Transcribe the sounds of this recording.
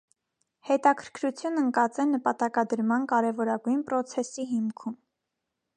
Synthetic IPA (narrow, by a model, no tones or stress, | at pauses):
hɛt̪ɑkʰəɾkʰɾut͡sʰjunəŋkɑt͡sɛnəpɑt̪ɑkɑd̪əɾmɑnkɑɾɛvɔɾɑɡujnpɾɔt͡sʰɛsiɦimkʰum